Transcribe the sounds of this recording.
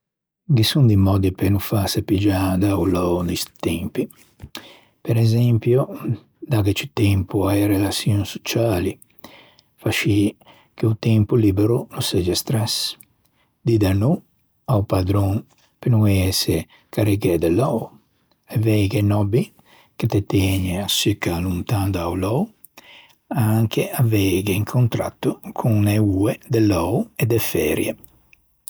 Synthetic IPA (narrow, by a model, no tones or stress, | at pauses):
ɡisund̪imɔd̪ipenufasapid͡ʒad̪aulɔnist̪ɛmpi | pɛɾɛzɛmpju | d̪aɡɛt͡ʃit̪ɛmpuajɾɛlasjɔŋso̥t͡ʃaːli | faʃi | keut̪ɛmpulibɛɾunusɛd͡ʒɛst̪ɾɛs | d̪id̪anu | awpad̪ɾɔŋ | penuŋɛɛse | kʰaɾiɡed̪ɛlɔw | ɛvɛjɡenɔbi | ket̪et̪ɛːɲeasykalunt̪and̪awlɔw | aaŋkeʔavɛɡeiŋkʰont̪ɾa̰t̪ːukʰuŋneued̪elɔwed̪ɛfɛːɾjḛ